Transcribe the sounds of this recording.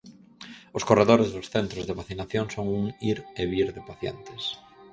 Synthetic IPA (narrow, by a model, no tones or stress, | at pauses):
ʊskoreðoɾezðʊsθent̪ɾozðeβaθinaθjoŋsoŋuŋiɾeβiɾðepaθjḛnt̪e̥s